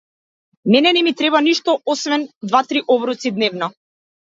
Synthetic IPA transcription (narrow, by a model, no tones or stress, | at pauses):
mɛnɛnɛmit̪ɾɛbaniʃt̪ɔɔsvɛnd̪vat̪ɾiʔɔbɾut̪sid̪nɛvnɔ